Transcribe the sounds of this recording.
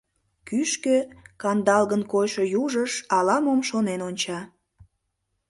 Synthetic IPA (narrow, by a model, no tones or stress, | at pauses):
kyʃkøkɑnd̪ɑlɣənkojʃojuʒəʃɑlɑmomʃonenonʲt͡ɕɑ